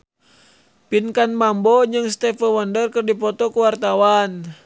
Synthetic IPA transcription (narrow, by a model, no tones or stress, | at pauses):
pinkanmambɔd͡ʒɨŋst̪ɛfəwandərkɨrdipɔt̪ɔkuwart̪awan